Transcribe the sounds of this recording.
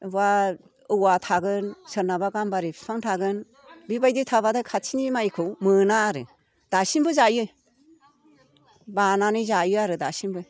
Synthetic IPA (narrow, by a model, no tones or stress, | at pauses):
ba | ɯwatʰaɡɯnsɯɾnabaɡambaɾipʰpʰaŋtʰaɡɯn | bibajditʰaβadakʰasʰinimajkʰɯwmɯnaːɾɯ | d̥asinbɯzajɯ | bananɯjzajɯaɾɯdasinbɯ